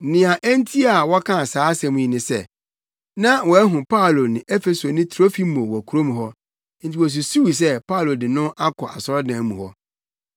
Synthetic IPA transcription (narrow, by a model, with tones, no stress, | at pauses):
nɪ̃˨ã˨ʔɛ˦n˦tʰi˦a˨wɔ˦kʰã˦˨saː˨˦sɛ̃˨mũ˦ĩ˨nɪ̃˨sɛ̰˦˨ | nã˦wɔ˨ɛ˦ɦʊ̃˨pʰa˦˨lo˨nɪ̃˨ʔɛ˦fe˨so˨nɪ̃˦tʰɾo˦fi˦mo˨wɔ˨kʰu˨ɾo˦mũ˨ɦɔ˦ | n̩˦tʰi˨wɔ˨s̬u˨su˦wi˨s̬ɛ˦pa˦˨lo˨dɪ˨nʊ̃˦ʔa˦kʰɔ˨ʔa˨sɔ˦ɾɔ˦dã˨˦mũ˨hɔ˦